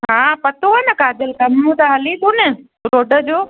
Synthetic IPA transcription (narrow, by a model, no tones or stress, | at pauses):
ɦãːpɐt̪oɐnɐkaːd̪əlkɐmnũt̪aɦɐlit̪unɪ | ɾoːɖə̆d͡ʑoː